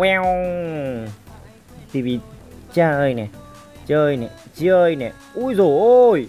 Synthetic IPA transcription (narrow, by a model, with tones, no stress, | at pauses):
ŋwɛ˧w | t̪ʰi˨˩vi˨˩t͡ɕaː˧˩ʔəː˧jnɛ˨˩ | t͡ɕəː˧əː˧jnɛ˨˩ | t͡ɕi˧˦ʔəː˧jnɛ˨˩ | ʔu˧˥jzo˨˩j